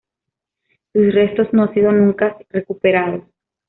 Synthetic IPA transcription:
susre̞st̪o̞zno̞ansiðo̞nũŋkare̞kupeɾaðos

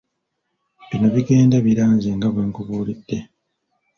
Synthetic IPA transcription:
βino̞βiɡe̞ːndaβiɾaːɲzeːŋɡaβeːŋkuβuːlid̥ːe

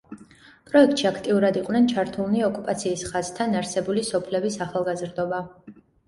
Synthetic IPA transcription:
pʼɾɔɛk̚t̪ʼʃiakʰt̪ʼiuɾad̪iqʼwnɛnt͡ʃʰaɾt̪ʰulˠniɔkʼupʼat̪sʰiːsχaz̥t̪ʰanaɾsɛbulisɔpʰlɛbisaχalˠɡazɾd̪ɔba

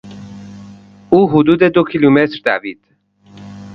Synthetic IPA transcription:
uːɦʊd̪uːd̪ed̪okʰilumet̪ɾd̪æviːd̪̥

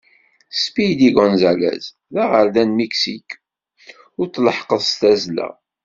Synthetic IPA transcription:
spijd̪iɡɔnzælæ̰z | ðæʁəɾðænmiksik | ʊɾt͡sləħqəðˤst̪æzlæ̰

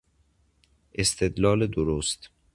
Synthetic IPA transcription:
ʔest̪ʰed̪lɒːled̪oɾost̪

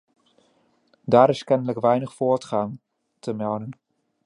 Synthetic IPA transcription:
daːɾɪskɛnələkʋɛjnəχfʊːɹtχaːn | tʰəmɛlˠdən

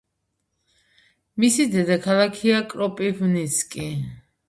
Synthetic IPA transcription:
misid̪ɛd̪akʰalˠakʰiakʼɾɔpʼivnisʰkʼi

